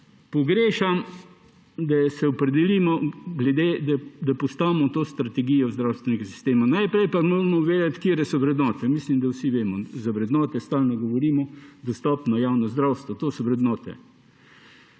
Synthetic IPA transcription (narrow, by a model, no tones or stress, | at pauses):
pɔɡɾeːʃam | d̪asɛɔpɾɛd̪ɛlimɔɡlɛd̪ed̪ad̪apɔst̪aːʋmɔt̪oːst̪ɾɐt̪ɛɡijɔzd̪ɾawst̪ʋɛnɛɡasi̥st̪eːmanajpɾɛjpamoːɾmɔʋeːd̪at̪kiɾɛsɔʋɾɛd̪nɔːt̪ɛmislimd̪awsiʋeːmɔzaʋɾɛd̪nɔːt̪ɛst̪aːlnɔɡɔʋɔɾiːmɔd̪ɔst̪ɔpnɐjawnɔzd̪ɾawst̪ʋɔt̪oːsɔʋɾɛd̪nɔːt̪ɛ̰